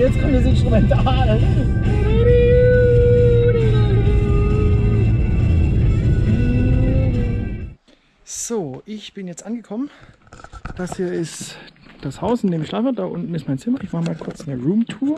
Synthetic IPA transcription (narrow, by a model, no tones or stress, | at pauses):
jɛt͡skʰɔmdas̬ɪnstʁ̥ʊmɛntaaːl | z̥oːʔɪçb̥ɪnjɛt͡stʔanɡəkʰɔmən | d̥ashiːɐɪstd̥ashaʊsɪndeːmɪçʃlaːfɐd̥aːʔʊ̰ntn̩ɪstmaɪnt͡sɪmɐɪç̥aːəmaːlnkʰʊɐt͡sɪndeːɐʁuːmtʰuːɐ